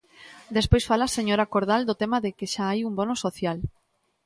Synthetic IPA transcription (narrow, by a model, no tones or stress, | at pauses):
d̪espojsfalaseɲoɾakoɾðald̪ʊt̪emaðɪkɪʃaajumbonosoθjal